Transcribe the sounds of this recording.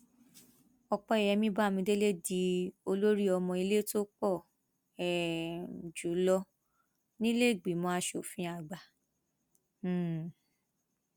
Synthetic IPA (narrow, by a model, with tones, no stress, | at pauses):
ɔ˧k͡pɔ˧ɛ˨jɛ˨˧˦mĩ˦ba˦˨mĩ˧de˦le˦di˧˦o˧lo˦ɾi˦ɔ˧mɔ̃˧i˧le˦to˦k͡pɔ˦˨ | ɛ˨ | d͡ʒu˨˦lɔ˧ | nĩ˦le˦˨ɡ͡bi˨˦mɔ̃˨˦a˧ʃo˦˨fĩ˧˦a˦˧˨ɡ͡ba˨˦˨